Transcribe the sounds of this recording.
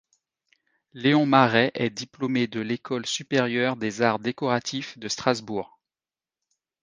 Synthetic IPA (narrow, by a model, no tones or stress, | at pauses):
leɔ̃maʁɛʔɛd̪iplomed̪əlekʰɔlsypeʁjœʁd̪ezaʁd̪ekɔʁat̪ʰifd̪əst̪χazbuːʁ